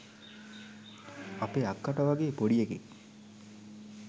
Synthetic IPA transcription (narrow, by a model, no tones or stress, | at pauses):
apeːakːaʈɐʋaɡeːpoɽijekḛŋ